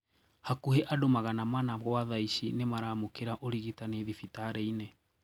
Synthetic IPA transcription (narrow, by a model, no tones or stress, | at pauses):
hakuheʔadomaɣanamanaɣoaðaiɕinemaɾamokeɾaʔoɾiɣitaneðifitaɾɛinɛ